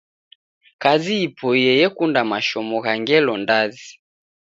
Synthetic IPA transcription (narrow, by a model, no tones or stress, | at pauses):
kaziipʰɔijɛjɛkundamaʃɔmɔɣaŋɡɛlɔndazi